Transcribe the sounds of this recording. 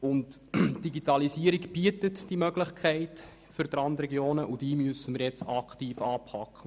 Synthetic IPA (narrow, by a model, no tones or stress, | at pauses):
ʊntd̥iɡitɑlisiːəɾikb̥iətətd̥imœɡlɪχkʰɛɪt | fʏɾd̪ɾɑntrɛɡjoːnəʔud̥iːmyəsəməɾjɛt͡sɑkχtiːfɑːpʰhɑkχə